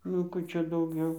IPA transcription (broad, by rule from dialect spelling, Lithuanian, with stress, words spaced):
nʊ ˈkuː ˈt͡ʃʲɛ dɐʊˈɡʲɛʊ